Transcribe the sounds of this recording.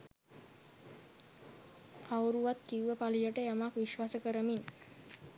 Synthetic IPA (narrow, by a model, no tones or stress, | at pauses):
awuɾuʋat̪kiuʋəpalijəʈəjamakʋiʃʋasəkəɾəmin